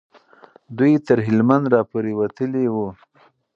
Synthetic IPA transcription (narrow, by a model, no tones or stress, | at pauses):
d̪ujt̪əɾɦɪlmand̪ɾɑpoɾewat̪əlewu